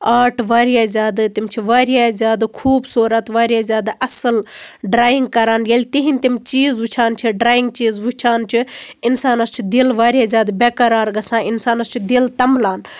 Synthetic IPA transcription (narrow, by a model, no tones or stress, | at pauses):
aːʈʰʋaːɾijaːzʲjaːd̪t̪imt͡ʃʰiʋaːɾijaːzʲjaːd̪kʰuːbsuːɾɐt̪ʋaːɾijaːzʲjaːd̪ʔɐsɨlɖɾaːjiŋɡ̚kɐɾaːnɡelʲt̪iɦinʲt̪imt͡ʃiːzʋut͡ʃʰaːnt͡ʃʰiɖɾaːjiŋɡ̚t͡ʃiːzʋut͡ʃʰaːnt͡ʃʰiɪnsaːnɐst͡ʃʰid̪ilʋaːɾʲijaːzʲjaːd̪bekɐɾaːɾɡɐsãːɪnsaːnɐst͡ʃʰid̪ilt̪ɐmlaːn